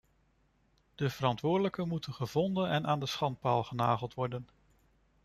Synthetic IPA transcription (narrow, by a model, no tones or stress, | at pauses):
d̥əv̥əɾɑntʋʊːɹdələkənmutənχəvɔndənɛnʔaːndəsχɑnt̚paːlˠχənaːχəlˠtʋɔɹdən